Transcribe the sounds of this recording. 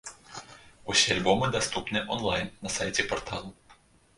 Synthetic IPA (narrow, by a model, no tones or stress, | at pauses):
usʲialʲbɔmɨd̪ast̪upnɨʔɔnlˠajnːɐsajtʲɛpɔrt̪ʰalˠʊ